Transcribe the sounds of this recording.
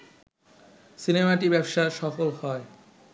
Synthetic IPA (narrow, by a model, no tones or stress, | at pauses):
sinemaʈibɛbʃaʃɔfolhɔe